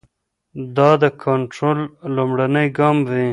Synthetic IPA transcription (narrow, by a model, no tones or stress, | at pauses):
d̪ɑd̪əkʰaɳʈɾolːumɽanəjɡɑmwi